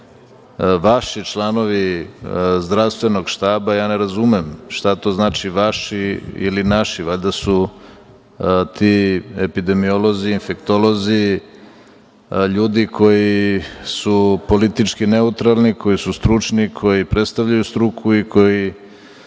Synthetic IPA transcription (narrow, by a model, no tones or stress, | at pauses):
ʋaʃit͡ʃlano̞ʋi | zd̪ɾast̪ʋe̞no̞ɡʃt̪aːbajaːneɾazumemʃt̪at̪o̞ːznaːt͡ʃiʋaʃiḭlinaʃiʋaʎʲd̪asu | t̪iepid̪e̞miolo̞ziːnfe̞kt̪olo̞zi | ʎuːd̪ikʰo̞jisupo̞lit̪it͡ʃkine̞ut̪ɾalˠniko̞jisust̪ɾut͡ʂnikʰo̞jipɾet̪st̪aʋʎajust̪ɾukʰuiko̞ji